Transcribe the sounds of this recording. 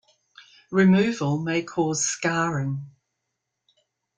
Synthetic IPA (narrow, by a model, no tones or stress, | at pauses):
ɹɪmʉːvəlˠmeɪkʰɔːz̥skɑːɹɪ̃ŋ